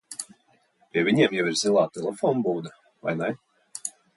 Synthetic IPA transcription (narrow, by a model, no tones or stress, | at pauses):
pʲiɛvʲiɲʲiɛmjɛwiɾzilˠaːt̪ɛlˠɛfɔnbuːd̪a | va̰jnaj